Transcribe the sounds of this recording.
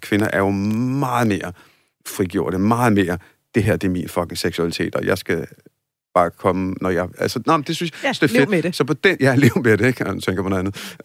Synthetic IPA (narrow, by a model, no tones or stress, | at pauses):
kʰʋe̝nɐʔæɐjo̝mɑ̈ːð̩ˠme̝ːɐ | fʁiɡ̥jo̝ɐ̰ɾ̥əmɑ̈ːð̩ˠme̝ːɐ | d̥e̝ɦeɐ̰d̥e̝minfɒɡ̥ŋ̩seɡ̥suælit͡sʰe̝̰ːd̥ɒ̽jɑ̈ɪsɡ̥æ | b̥ɑ̈ːkʰɒ̽mənɒjɑ̈ɪælsənɑɪm̩d̥e̝synsjɑsd̥eæɐed̥sɒ̽pʰɒ̽d̥enjæleme̝ɐɾ̥eeɡ̥ndut͡sʰeŋɡ̥ɐpʰɔnnænð̩ˠ